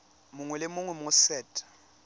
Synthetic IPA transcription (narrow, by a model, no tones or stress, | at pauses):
mʊŋwɛlɪmʊŋwɛmʊsɛːtʰʼḁ